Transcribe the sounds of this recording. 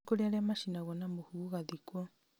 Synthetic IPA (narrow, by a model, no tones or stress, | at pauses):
ɡoɾeaɾeamaʃinaɣwɔnamohuɣaðikwɔ